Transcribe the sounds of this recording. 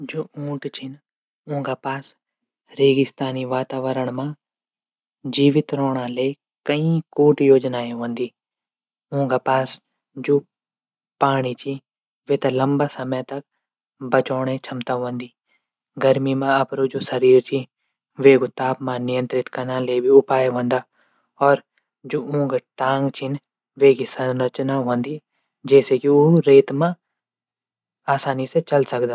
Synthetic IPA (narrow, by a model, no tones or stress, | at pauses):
d͡ʒoːũːʈt͡ʃʰɪn | ʊ̃ɦŋɡaːpaːs | ɾeːɡɪst̪aːniːʋaːt̪aːʋəɾəɳ̃mãː | d͡ʒiːʋɪt̪ɾoːɳ̃ãːleː | kəĩːkuːʈjoːd͡ʒnaːẽʋə̃nd̪iː | ʊ̃ɦŋɡaːpaːs | d͡ʒoː | paːɳiːt͡ʃʰĩː | ʋeːt̪aːləmbaːsəməjt̪ɐk | bɐt͡ʃɔːɽ̃et͡ʃʰɐmt̪aɦõːnd̪iː | ɡɐɾmimãɐpɾod͡ʒoːsɐɾiːɾt͡ʃʰi | ʋeːɡot̪aːpmãːnɪjə̃nt̪ɾɪt̪kanãːlebʱiʊpaːjɦõːnd̪aː | ɔːɾ | d͡ʒoːũːŋɡaʈãːŋɡt͡ʃʰɪn | ʋeːkisɐ̃nɾət͡ʃnaɦõːnd̪iː | d͡ʒɛːsekioɾeːt̪mã | aːsaːniset͡ʃɐlsɐkd̪aː